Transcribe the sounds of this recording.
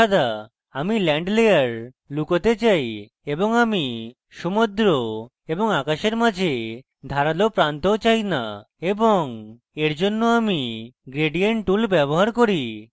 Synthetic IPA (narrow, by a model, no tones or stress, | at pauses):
ad̪a | amilɛɳɖlejaɾ | lukot̪et͡ɕaj | eboŋami | ʃumod̪ɾo | eboŋakaʃeɾmad͡ʑʱe | d̪ʱaɾalopɾant̪ot͡ɕajna | eboŋ | eɾd͡ʑonːoamiɡɾeɖijeɳʈʈulbɛboɦaɾkoɾi